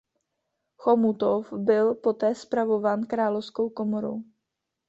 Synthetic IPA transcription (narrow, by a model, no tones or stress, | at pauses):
xomut̪ofbɪlpo̞t̪ɛːspɾavo̞vaːnkɾaːlofsko̞wko̞moɾo̰w